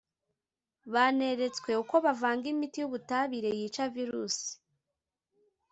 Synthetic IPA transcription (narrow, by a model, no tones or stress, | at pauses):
βane̞ɾe̞t͡skwe̞uko̞βavaːŋɡimitijuβutaβiɾe̞jiːt͡ʃaviɾuːsi̥